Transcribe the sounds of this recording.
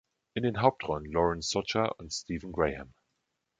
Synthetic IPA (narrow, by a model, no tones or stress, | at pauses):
ʔɪndeːnɦaʊp̚tʁɔln̩lɔɹənsɔt͡ʃaʔʊntstiːvn̩ɡɹeɪhɛm